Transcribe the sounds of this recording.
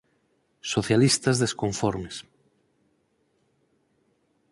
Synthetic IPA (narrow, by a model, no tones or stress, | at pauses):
soθjalist̪azðeskoɱfɔɾmes